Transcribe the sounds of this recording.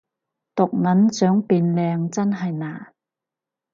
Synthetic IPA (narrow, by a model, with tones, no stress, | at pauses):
t̪ʊ˨k̚ŋɐ˨˥nt͡sœː˨˥ŋpiː˧nlɛː˧ŋt͡sɐ˥nɦɐ˨jnaː˨˩